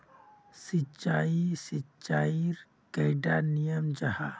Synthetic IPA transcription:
sit͡ʃaːisit͡ʃaːiɾ | kɐɪɖaːnijəmd͡ʒɐha

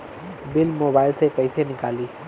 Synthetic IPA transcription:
bɪlmoːbaːɪlsekəɪsenɪkaːliː

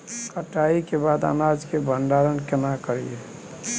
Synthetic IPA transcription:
kəʈaikebad̪a̰nad͡ʒkebʱəɳɖaɾənkɪnakəɾḭe

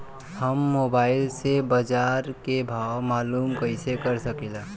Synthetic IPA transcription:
həmːoːbaːɪlsebəd͡ʒaːɾkebʱaːwmaːluːmkəɪsekəɾsəkelaː

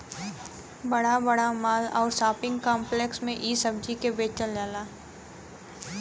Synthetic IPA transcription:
bɐɽabɐɽamaːlɔːɾsaːpɪ̃ŋɡkãːmpleːksmẽʔiːsɐbd͡ʒikebeːt͡ʃəld͡ʒaːlaː

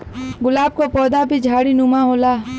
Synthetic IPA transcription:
ɡʊlaːb̚kopɔːd̪abʱid͡ʒʱaːɽinumãɦoːlaː

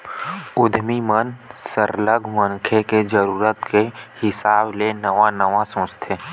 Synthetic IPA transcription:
ʊd̪ʱmimənsəɾləɡʱmənkʰeked͡ʒəɾuːɾət̪kehɪsaːblenəʋanəʋasõːt͡ʃt̪ʰeː

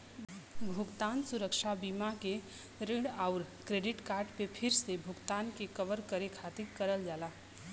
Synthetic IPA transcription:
bʱʊɡt̪aːnsʊɾəkʃabiːmake | ɾɪɽaʊɾkɾeːɖɪʈkaːɾʈpepʰɪɾsebʱʊɡt̪aːnkekəʋəɾkəɾekʰaːt̪ikəɾəld͡ʒaːlaː

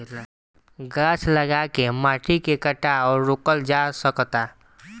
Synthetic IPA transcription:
ɡaːt͡ʃləɡakemaːʈikekəʈaɔːɾːʊkəld͡ʒasəkt̪a

